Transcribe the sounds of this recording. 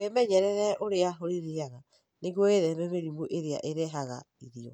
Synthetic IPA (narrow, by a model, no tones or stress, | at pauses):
emɛɲɛɾɛɾɛʔoɾeaɦoɾiɾeaɣa | neɣoeðɛβɛmeɾimuʔeɾea̰ʔeɾeɦaɣa̰ | iɾiɔ̰